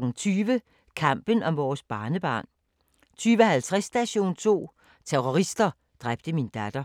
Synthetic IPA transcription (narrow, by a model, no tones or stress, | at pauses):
ɡ̥n̩t͡sʰyːʋə | kʰɑm̰b̥ənɒ̽mʋɒːsb̥ɑ̈ːnəb̥ɑ̰̈ːn | t͡sʰyːʋəhælt͡sʰʁɛsːd̥æɕo̝̰ːnt͡sʰo̝̰ː | t͡sʰeʁoʁisd̥ɐ | d̥ʁab̥d̥əmind̥æd̥ɐ